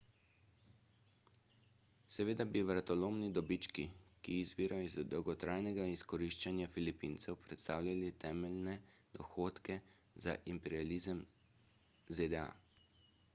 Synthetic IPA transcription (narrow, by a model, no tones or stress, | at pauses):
sɛʋeːd̪abiʋɾat̪ɔloːmnid̪ɔbit͡ʃkikiːzbiːɾajizd̪ɔwɡɔt̪ɾaːjnɛɡaiskɔɾiːʃt͡ʃanjafilipiːnt̪sɛwpɾɛt̪st̪aːwlʲalit̪ɛːmɛlnɛd̪̥ɔxoːt̪kɛza̰ʔimpɛɾialiːzəm | zed̪ɛa̰